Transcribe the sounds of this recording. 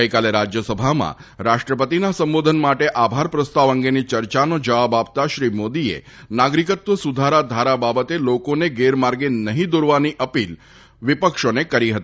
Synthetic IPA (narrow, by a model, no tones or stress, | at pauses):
əjkaleɾad͡ʒjəsəbʱamã̰ɾaʃʈɾəpət̪inasəmbod̪ʱənmaʈeʔabʱaɾpɾəst̪aʋəŋɡenit͡ʃəɾt͡ʃanod͡ʒəʋabap̚t̪aʃɾimod̪iḛnaɡɾikət̪ʋəsud̪ʱaɾad̪ʱaɾababət̪elokoneɡeɾmaɾɡenəɦĩd̪uɾʋaniʔəpil | ʋipəkʃonekəɾiɦət̪i